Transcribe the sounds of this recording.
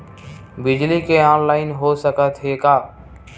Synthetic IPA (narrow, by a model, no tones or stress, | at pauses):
bɪd͡ʒlikeaːnlaːɪnɦoːsəkət̪ɦekaː